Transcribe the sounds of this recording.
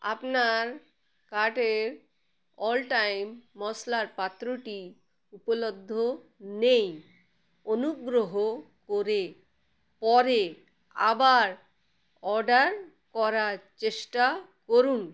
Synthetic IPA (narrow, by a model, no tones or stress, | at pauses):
a̰pnaɾ | kaʈeɾ | ɔlʈajmːɔslaɾpat̪ːɾoʈi | upolod̪ʱːonej | onuɡɾoɦokoɾe | pɔɾe | a̰baɾ | ɔɾɖaɾ | kɔɾaɾt͡ɕeʃʈakoɾun